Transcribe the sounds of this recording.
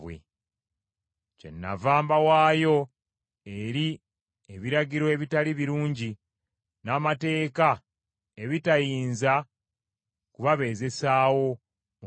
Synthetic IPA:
wḛ | ce̞̰nːa̰vaːmbawaːjo̞ | e̞ɾi | eβiɾaɟiɾo̞e̞βitaliβiɾuːɲɟi | naːmate̞ːka | e̞βitajiːnza | kuβaβe̞ːze̞saːwo̞ | m

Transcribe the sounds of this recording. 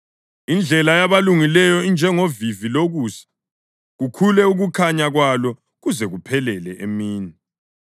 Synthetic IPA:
ind͡ɮʱɛlajaβaluŋilɛjɔind͡ʒʱɛŋoviviloɣuːsḁ | ɣukʰulɛuɣukʰaɲaɣwalɔ | ɣuzɛɣupʰɛlɛlɛʔemiːni

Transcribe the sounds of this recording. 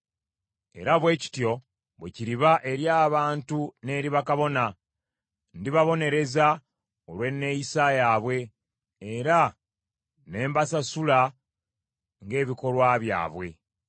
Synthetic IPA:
e̞̰ɾaβwe̞ːci̥tjo̞ | βweciɾiβaʔe̞ɾjaːβaːntune̞ːɾiβakaβo̞na | ndiβaβo̞ne̞ɾe̞za | olwe̞nːe̞jisaːjaːβwe̞ː | ɾa | ne̞ːmbasasula | ŋɡe̞ːβiko̞lwaːβja̰ːβwe̞̰

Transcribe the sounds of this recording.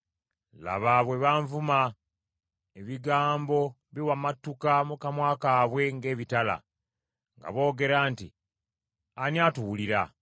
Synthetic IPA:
la̰βaβwe̞βaːɱvuma | eβiɡaːmbo̞ | βiwamatːukamukamwaːkaːβwe̞ŋɡe̞ːβitala̰ | ŋɡa̰βo̞ːɡe̞ɾaːnti | anjatuwuliɾa

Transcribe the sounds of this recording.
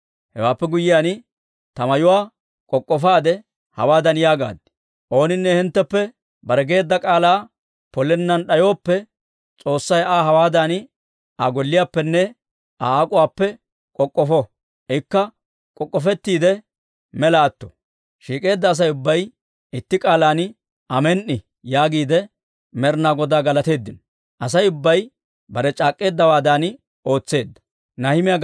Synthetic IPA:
hɛwaːpːɛɡʊjɪjaːn | t̪ɐmɐjʊwaː | kʼɔkʼːɔfaːd̪ɛ | hɐ̰waːd̪ɐnjaːɡa̰ːd̪ɪ̥ | ʔo̞ːnɪnːɛhɪnt̪ːɛpːɛ | bɐɾɛɡe̞ːd̪ːɐkʼaːlaː | pɔlɛnːɐnɗɐjo̞ːpːɛ | t͡sʼo̞ːsːɐjaːɦɐwaːd̪ɐn | ʔɐɡɔlːɪjaːpːɛnːɛ | ʔaaːkʼʊwaːpːɛ | kʼɔkʼːɔfɔ | ʔɪkːɐ | kʼɔkʼːɔfɛt̪ːiːd̪ɛ | mɛlaːt̪ːɔ̥ | ʃiːkʼe̞ːd̪ːɐːs̬ɐjʊbːɐj | ɪt̪ːɪkʼaːlaːn | ʔɐmɛnʔːɪ | jaːɡiːd̪ɛ | mɛɾnaːɡɔd̪aːɡɐlɐt̪e̞ːd̪ːɪnɔ | ʔɐsɐjʊbːɐj | bɐɾɛt͡ʃʼaːkʼːe̞ːd̪ːɐwaːd̪aːn | o̞ːt͡sːe̞ːd̪ːɐ̥ | nɐhɪmɪja

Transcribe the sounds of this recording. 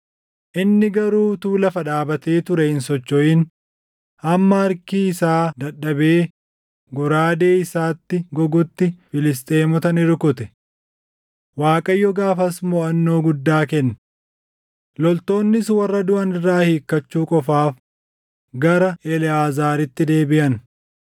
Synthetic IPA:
ʔɪnːɪɡɐɾuːt̪uːlɐfɐᶑaːbɐt̪e̞ːt̪ʊɾɛhɪnsɔt͡ʃːɔʔiːn | ɐmːɐɐɾkiːɪsaːd̪ɐɗɐbeː | ɡɔɾaːd̪e̞ːɪsaːt̪ːɪɡɔɡʊt̪ːɪfɪlɪs̬t̪ʼeːmʊt̪ɐnɪɾkʊt̪ɛ | waːkʼɐjːɔɡaːfɐsmɔɐnːo̞ːɡʊd̪ːaːkɛnːɐ | lɔlt̪o̞ːnːɪswɐrːɐd̪ʊʔɐnɪrːaːhiːkːɐt͡ʃːuːkʼɔfaːf | ɡɐɾɐɛlɪaːzaːɾɪt̪ːɪd̪e̞ːbɪʔɐn

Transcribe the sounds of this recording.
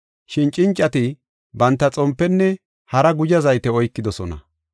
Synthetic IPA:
ʃɪnt͡ʃʼɪnt͡ʃʼːɐt̪ɪ | bɐnt̪ːɐt͡sʼɔmpːɛnːɛ | hɐɾɐɡʊd͡ʒɐzɐjt̪ɛɔjkːɪd̪ɔsɔnɐ̰

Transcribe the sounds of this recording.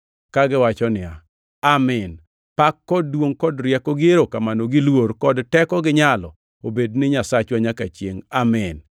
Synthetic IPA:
kaɡɪwat͡ʃɔnɪa | amɪn | pakːɔdːwoŋkɔdɾjɛkɔɡɪeɾokamanoɡɪlwoɾkɔdtɛkɔɡɪɲalɔ | obednɪɲasat͡ʃwaɲakat͡ʃjeŋamɪn

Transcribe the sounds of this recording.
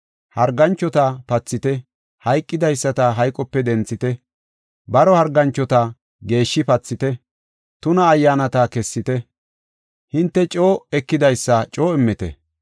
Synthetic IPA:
hɐɾɡɐnt͡ʃːɔt̪ɐpɐt͡sːɪt̪ɛ | hɐjkʼːɪd̪ɐjsːɐt̪ɐɦɐjkʼɔpːɛd̪ɛnt͡sːɪt̪ɛ | bɐɾɔhɐɾɡɐnt͡ʃːɔt̪ɐ | ɡe̞ːʃːɪpɐt͡sːɪt̪ɛ | t̪ʊnɐːjːaːnɐt̪ɐkɛsːɪt̪ɛ | hɪnt̪ːɛt͡ʃʼo̞ːɛkːɪd̪ɐjsːɐt͡ʃʼo̞ːɛmːɛt̪ɛ̰

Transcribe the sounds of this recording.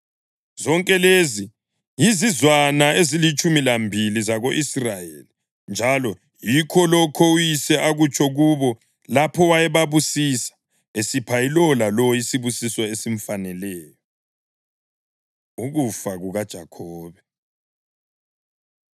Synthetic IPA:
z̥ɔŋkʼɛlezi | jizizwanaezilit͡ʃʼumilambʱilizaɣoʔisrajḛli | nd͡ʒʱalɔ | jikʰɔlɔkʰɔujisɛʔaɣut͡ʃʰɔɣuβɔ | lapʰɔwajɛβaβusisḁ | esipʰailɔlalɔisiβusiswɔesiɱ̩fanɛlɛːjɔ | uɣufaɣuɣad̥ʒ̥ʱakʰɔːβɛ

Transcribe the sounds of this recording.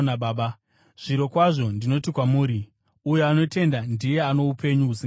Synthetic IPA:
naɓaːɓa | ʐ̥iɾo̞kwaʐo̞ndino̞tikwamuːɾi | ujoano̞te̞ndandije̞ano̞upʰe̞ɲuusi

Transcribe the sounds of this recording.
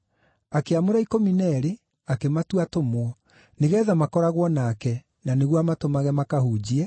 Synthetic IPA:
akeamoɾaikɔminɛɾe | akematuatomwɔ | neɣɛːðamakɔɾaɣwɔnakɛ | naneɣwamatomaɣɛmakahud͡ʑiɛ

